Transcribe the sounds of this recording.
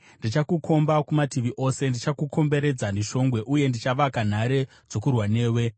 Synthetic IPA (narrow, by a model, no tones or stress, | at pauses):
ndit͡ʃakuko̞mbakumatiʋiʔo̞se̞ndit͡ʃakukʰo̞mbe̞ɾe̞d͡zaniʃo̞ŋɡwe̞ʔuje̞ndit͡ʃaʋakan̤aɾe̞ | d͡zo̞kurwane̞ːwe̞